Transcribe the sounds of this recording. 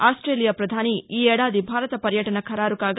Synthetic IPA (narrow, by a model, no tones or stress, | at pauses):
aːsʈɾeːlijaːpɾɐd̪ʱaːniiːɛːɽaːd̪ibʱaːɾɐt̪ɐpɐɾjɐʈɐnɐkʰɐɾaːɾukaːɡ